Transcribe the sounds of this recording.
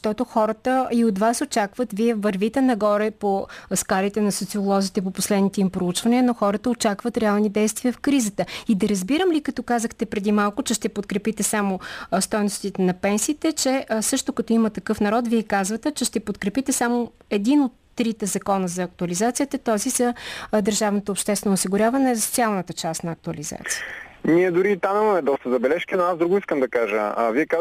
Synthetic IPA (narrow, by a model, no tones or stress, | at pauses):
zʃt̪ɔt̪oxɔɾət̪əiot̪vasot͡ʃakvət̪viɛvɐɾvit̪ɛnɐɡɔɾɛposkalit̪ɛnɐsot̪siolˠɔzit̪ɛp̬oposlɛd̪nit̪ɛimpɾout͡ʃvɐniənoxɔɾət̪əot͡ʃakvət̪ɾɛalˠnid̪ɛjst̪viəfkɾizət̪əid̪ɐɾɐzbiɾəmlikɐt̪ɔkazəxt̪ɛpɾɛd̪imalˠkʊt͡ʃɛʃt̪ɛpot̪̚kɾɛpit̪ɛsamost̪ɔjnost̪it̪ɛnɐpɛnsiːt̪ɛt͡ʃɛsɤʃt̪ʊkɐt̪ɔimɐt̪ɐkɤfnɐɾɔt̪viɛkazvət̪ɛt͡ʃɛʃt̪ɛpot̪kɾɛpit̪ɛsamo | ɛd̪inot̪ːɾit̪ɛzɐkɔnəzɐːk̚t̪ʊɐlizat̪sijət̪ɐt̪ɔzizɐd̪əɾʒavnot̪oːpʃt̪ɛst̪vɛnoʊsiɡʊɾʲavɐnɛzst̪sʲalˠnət̪ət͡ʃast̪nɐːk̚t̪ʊɐliza̰t̪si̥ə̥niɛd̪ʊɾit̪anɛmɐmɛd̪ɔst̪əzɐbɛlɛʃkinoazd̪ɾuɡʊiskəmd̪ɐkaʒəviɛka